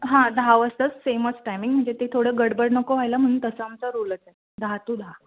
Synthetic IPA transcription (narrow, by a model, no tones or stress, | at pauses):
ɦãd̪ʱaʋəst̪ət͡sfeməsʈajmĩŋɡm̤əɳd͡zet̪et̪ʰoɽəɡəɽbəɽnəkoʋ̤ajlam̤əɽ̃uːnt̪əsəamt͡səɾolət͡sa | d̪ʱat̪ud̪ʱa